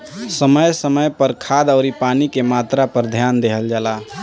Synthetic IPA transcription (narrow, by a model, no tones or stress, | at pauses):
səməjsəməjpəɾkʰad̪əʊɾipanikemat̪ɾapəɾd̪ʱjand̪eɦəld͡ʒaːla